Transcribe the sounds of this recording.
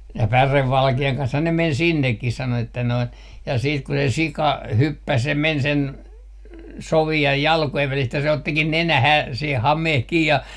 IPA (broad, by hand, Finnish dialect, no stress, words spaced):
jɑ pæreʋːɑlkeɑŋ kɑnshɑn ne men sinːekːis sɑno etːæ noin jɑ siːt ku se sikɑ hypːæs jɑ men sen soʋiɑj jɑlkojeʋ ʋælist jɑ se otːikin nenæhæː se hɑmeh kiː jɑ